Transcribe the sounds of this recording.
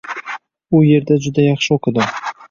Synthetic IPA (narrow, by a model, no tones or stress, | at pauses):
ʊje̞ɾd̪ad͡ʒʊd̪ajɑχʃɪoqʰɪd̪ɪ